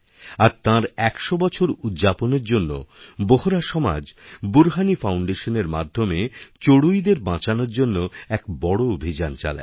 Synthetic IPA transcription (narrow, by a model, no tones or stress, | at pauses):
aɾt̪ãɾɛkʃobɔt͡ɕʰoɾud̪d͡ʑaponeɾd͡ʑonːo̰boɦoɾaʃɔma̰d͡ʑbuɾɦanifawɳɖeʃoneɾma̰d̪ʱːomet͡ɕoɽujd̪eɾbãt͡ɕanoɾd͡ʑonːoɛkbɔɽoobʱid͡ʑant͡ɕa̰la̰